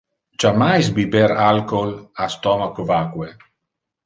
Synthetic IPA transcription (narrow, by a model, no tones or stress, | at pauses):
t͡ʃamajsbibeɾalkolast̪ɔmakovakwe